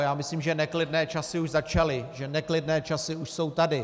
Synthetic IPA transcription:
jaːmɪsliːmʒɛnɛklɪdnɛːt͡ʃasɪuʒzat͡ʃalɪʒɛnɛklɪdnɛːt͡ʃasɪuʃso̞wt̪adɪ

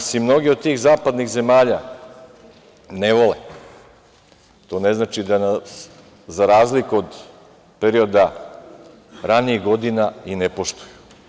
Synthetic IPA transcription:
simno̞ɡiod̪̚t̪iːɣzaːpad̪niɣze̞maːʎa | neʋo̞le | t̪o̞ːne̞znaːt͡ʃid̪anas | zaɾaːzlikuod̪ | peɾio̞d̪a | ɾaniiɣɡo̞d̪inainepo̞ʃt̪uju̥

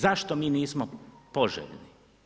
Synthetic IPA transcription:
zaʃt̪omiːniːsmopoʒḛʎni

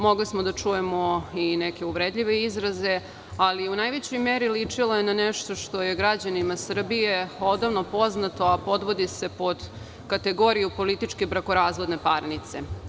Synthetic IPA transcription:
mo̞ɡlismo̞d̪at͡ʂuje̞mo̞ineke̞uʋɾed̪ʎʲiʋeizɾaze̞ | aliunajʋet͡ɕo̞jmeɾilit͡ʂilojenaneʃt̪o̞ʃt̪ojeɡɾad͡ʑanimasr̩bijeo̞d̪aʋnopo̞znat̪o̞apo̞d̪ʋo̞d̪ise̞po̞d̪ | kat̪e̞ɡo̞ɾijupo̞lit̪it͡ʂke̞bɾakoɾaːzʋo̞d̪ne̞paɾnit̪se̞̰

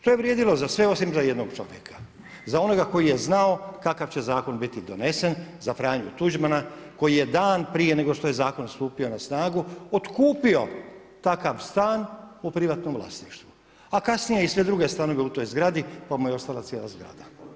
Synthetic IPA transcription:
ʃt̪o̞jeʋɾjed̪ilo̞zasʋe̞o̞simzaje̞d̪noɡt͡ʃo̞̰ʋjekʰḁ | zao̞no̞ɡako̞jije̞znao̞kakaʋt͡ɕezaːko̞nbit̪id̪o̞ne̞senzafɾaːɲut̪ud͡ʒmanako̞jije̞d̪aːnpɾije̞ne̞ɡo̞ʃt̪o̞je̞zaːko̞nst̪uːpio̞nasnaːɡuot̪kuːpio̞ | t̪akaʋst̪aːnupɾiʋat̪no̞mʋlˠa̰sniʃt̪ʋu | akasnijeisʋe̞d̪ɾuɡe̞st̪ano̞ʋe̞ut̪o̞jzɡɾad̪ipamujeo̞st̪alˠat̪jelazɡɾa̰d̪a

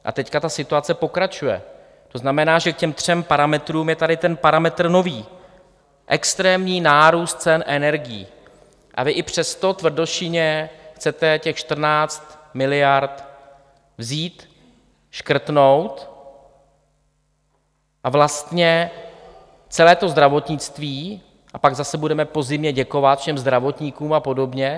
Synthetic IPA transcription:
ʔa̰t̪ɛckat̪asɪt̪uat͡sɛpo̞kɾat͡ʃujɛ̰ | t̪o̞znamɛnaːʒɛkcɛmt̪r̝̥ɛmpaɾamɛt̪ɾuːmjɛt̪adɪt̪ɛnpaɾamɛt̪r̩no̞viː | ʔɛkst̪ɾɛːmɲiːnaːɾuːst̪̚t͡sɛnʔɛnɛɾɡɪjḭː | ʔa̰vɪʔɪpr̝̥ɛst̪o̞t̪vr̩doʃɪɲɛxt͡sɛt̪ɛcɛxʃt̪r̩naːt͡st̪mɪlɪjaɾt̪ | vziːt̪ | ʃkr̩t̪no̞wt̪ | ʔavlast̪ɲɛ | t͡sɛlɛːt̪o̞zd̪ɾavo̞t̪ɲɪt͡st̪viː | ʔapaɡzasɛbudɛmɛpo̞zɪmɲɛɟɛko̞vat̪fʃɛmzd̪ɾavo̞t̪ɲɪkuːmapo̞do̞bɲɛ

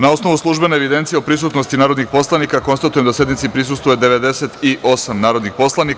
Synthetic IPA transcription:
nao̞sno̞ʋuslˠuʒbe̞neːʋid̪e̞nt̪sije̞opɾisut̪nost̪inaːɾo̞d̪nixpo̞slˠanikako̞nst̪at̪ujemd̪asje̞d̪nit̪sipɾis̬ust̪vojed̪e̞ʋe̞d̪e̞set̪iʔo̞samnaːɾod̪nixpo̞slanik

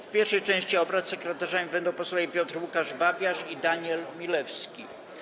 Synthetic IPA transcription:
fpʲjɛɾfʂɛjt͡ʂɛ̃w̃ɕt͡ɕiɔbɾat̪sɛkɾɛt̪aʐamʲibɛnd̪ɔ̃w̃pɔswɔvʲipʲjɔt̪ɾwukaʐbabʲjaʂid̪aɲɛlmʲilɛfskʲḭ

